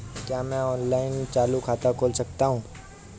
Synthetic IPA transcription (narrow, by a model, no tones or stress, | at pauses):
kjaːmɛ̃ɔːnlaːɪnmt͡ʃaːlukʰaːt̪akʰoːlsɐkt̪aɦũː